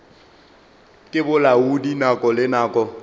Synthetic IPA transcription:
kʼɪbʊlaudinakʼɔlɪnaːkʼɔ

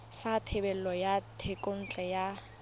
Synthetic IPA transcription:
satʰebɛl̩lɔjatʰekʼon̩t͡ɬʼɛja

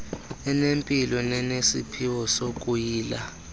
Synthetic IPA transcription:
ɛnempʼilɔnɛnesḭpʰiwɔsokʼujiːla

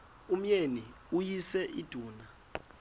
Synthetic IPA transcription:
um̩jeni | ujisɛʔḭd̥ʱuːna

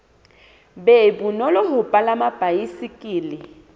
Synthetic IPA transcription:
bɛbunɔlɔɦʊpʼalamab̥ʱajisikʼiːlɪ

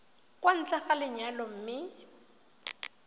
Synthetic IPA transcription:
kʼwan̩t͡ɬʼaχalɪɲalɔm̩mɪ

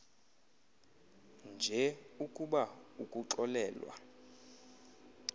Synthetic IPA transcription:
nd͡ʒʱɛukʼuɓaukʼuǁɔlɛːlwa̰

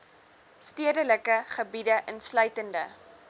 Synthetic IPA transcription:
stiədələkəχəbidəʔənslœɥtəndə̰

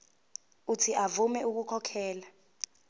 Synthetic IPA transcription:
utʰiʔavumɛuk̬ukʰɔkʰɛːla

